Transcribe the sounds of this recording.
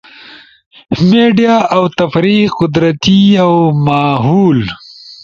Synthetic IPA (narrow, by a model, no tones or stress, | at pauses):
meɖijaawt̪ɐfɾiqʊd̪ɾɐt̪iawmaːɦuːl